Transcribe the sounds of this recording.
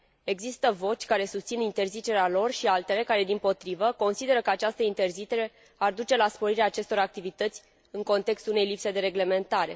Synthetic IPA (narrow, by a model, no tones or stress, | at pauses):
e̞ɡzist̪əvo̞t͡ʃʲkaɾe̞sust̪sinint̪e̞rzit͡ʃe̞ɾealo̞rʃialt̪e̞le̞kaɾe̞d̪impo̞t̪ɾivəko̞nsid̪e̞ɾəkəat͡ʃast̪əint̪e̞rzit͡ʃe̞ɾe̞ | ard̪ut͡ʃe̞laspo̞ɾiɾeaːt͡ʃe̞st̪o̞ɾak̚t̪ivit̪ət̪sʲ | ɨŋko̞nt̪e̞kst̪ulune̞jlipse̞d̪e̞ɾe̞ɡle̞me̞nt̪aɾe̞